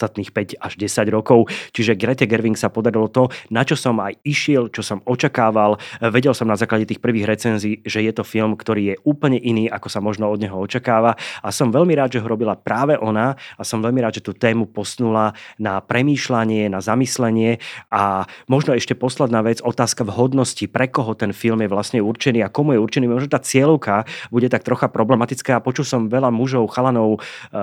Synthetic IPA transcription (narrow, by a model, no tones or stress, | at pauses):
st̪at̪niːxpɛɟaʒɟɛsaɟɾɔkɔʊt͡ʃiʒɛɡɾɛt̪ɛɡɛɾʋiŋksapɔd̪aɾilɔt̪ɔnat͡ʃɔsɔmajiʃɪɛlt͡ʃɔsɔmɔt͡ʃakaːʋalʋɛɟɛlsɔmnazaːklaɟɛt̪iːxpr̩ʋiːɣɾɛt͡sɛnziːʒɛjɛt̪ɔfilmkt̪ɔɾiːjɛuːpl̩ɲɛʔiniːʔakɔsamɔʒnɔɔd̪ɲɛɦɔɔt͡ʃakaːʋaasɔmʋɛʎmiɾaːd̪ʒɛɦɔɾɔbilapɾaːʋɛʔɔnaasɔmʋɛʎmiɾaːd̪ʒɛt̪uːt̪ɛːmupɔsnulanapɾɛmiːʃlaɲɪɛnazamislɛɲɪɛamɔʒnɔɛʃcɛpɔslɛd̪naːʋɛd͡zɔt̪aːskavɦɔd̪nɔscipɾɛkɔɦɔt̪ɛnfilmjɛʋlasɲɛuɾt͡ʃɛniːakɔmujɛuɾt͡ʃɛniːmɔʒnɔt̪aːt͡sɪɛlʊkabuɟɛt̪ak̚t̪ɾɔxapɾɔblɛmat̪it͡skaːapɔt͡ʃulsɔmʋɛʎamuʒɔʊxalanɔʊ